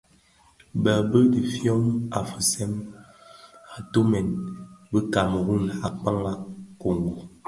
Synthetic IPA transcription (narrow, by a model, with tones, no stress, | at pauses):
bə˨bə˦di˨fjɔ˦ma˨fə˨sɛ˦m | a˨to˦mɛ˨nbə˦ka˨m˨ɣu˦˨na˨k͡pa˦ŋa˦ko˨ŋɡo˨